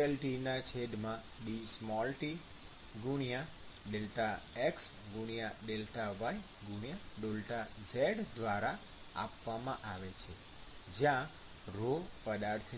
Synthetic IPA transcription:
əlʈinat͡ʃʰed̪mã | ɖismɔlʈi | ɡuɳja | ɖelʈaeks | ɡuɽ̃jaɖelʈaʋai | ɡuɳ̃jaɖolʈad͡ʒɛɽd̪ʋaɾa | a̰pʋamãʔaʋet͡ʃʰe | d͡ʒjã | ɾopəd̪aɾt̪ʰ

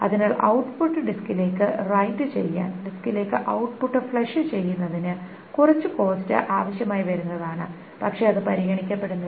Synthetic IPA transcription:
ɐ̰ðinaːɭʔɐ̰wʈpuʈːɨɖiskile̞ːkːɨrɐjndɨt͡ɕe̞̰jːa̰ːnɖiskile̞ːkːɨʔɐwʈpuʈːɨfɭɐʂɨt͡ɕe̞jːunːɐðinɨ | kurɐt͡ɕːɨko̞ːstɨ̰ʔaːʋɐɕjɐmaːjiʋɐɾunːɐðaːɳɨ̰ | pɐkʂe̞ːɐðɨpɐɾiɣɐɳikʲːɐpːe̞ɽunːɐ

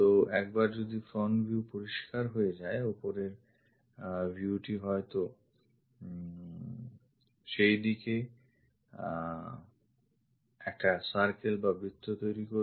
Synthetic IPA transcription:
t̪oɛk̚baɾd͡ʑod̪ifɾɔnbʱjuupoɾiʃkaɾɦoed͡ʑaeopoɾeɾ | bʱjiuuʈiɦɔet̪o | ʃejd̪ike | ɛk̚ʈasaɾkelbabit̪ːot̪ojɾiko

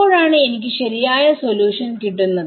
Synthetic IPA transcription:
o̞ːɻaːɳɨe̞nikʲːɨɕɐɾijaːjɐsoljuːʂɐnk̪iʈːunːɐð

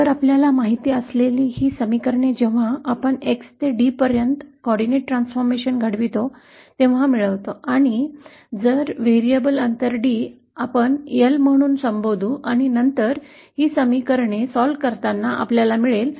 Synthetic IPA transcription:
t̪əɾapljalamaɦit̪iːəsleliːhiːsəmikəɾɳed͡ʑeʋ̤aapəɳekst̪eɖipəɾjənt̪kɔɽineʈʈːɾansfɔɾmeɕənɡʱəɽʋit̪o | t̪ẽʋ̤amiɭəʋt̪oaɽ̃i | d͡zəɾʋeɾijəbələnt̪əɾɖiː | apəɳjelm̤əɽ̃uːnsəmbod̪ʱuːʔaɽ̃inənt̪əɾ | hiːsəmikəɾɳesɔlkəɾt̪anːaʔa̰pljalamiɭel

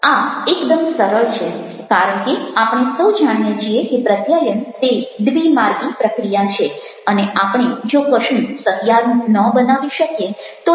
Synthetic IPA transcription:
aekd̪əmsəɾəɭt͡ʃʰe | kaɾəɳ̃keapɽ̃esəwd͡ʒaɽ̃ijet͡ʃʰiekepɾət̪jajənt̪ed̪ʋimaɾɡipɾəkɾijat͡ʃʰe | əneapɳ̃ed͡ʒokəʃĩsət̪jaɾnũnəbənaʋiʃəkjet̪o

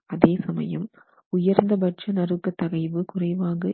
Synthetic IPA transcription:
ɐðeːsɐmɐ̰jɐ̰m | ʊjɐɾnd̪ɐbɐʈt͡ʃɐnɐɾɯkːɐt̪ːɐɣɐɪʋɯkʊrɐɪʋaːɣɐ

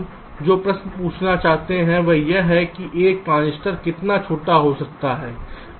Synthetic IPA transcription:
d͡ʒoːpɾɐsnəpuːt͡ʃʰnat͡ʃaːɦt̪eɦɛ̃ʋɐɦjeɦɛkiʔeːkːãːnɪsʈəɾkɪt̪nat͡ʃʰoːʈaɦosɐk̚t̪aɦɛː

